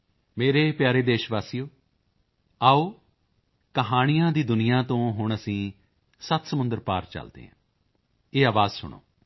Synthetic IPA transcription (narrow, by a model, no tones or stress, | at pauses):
meːɾeːpjaːɾeːd̪eːʃʋaːsijoː | aːoː | kəɦaːɽ̃ijãːd̪iːd̪ʊnɪjãːt̪õːɦʊɳəsĩː | sət̪səmʊnd̪əɾpa̰ːɾt͡ʃə̰ld̪ḛːɦã̰ː | eːaːʋaːzsʊ̰ɳo̰ː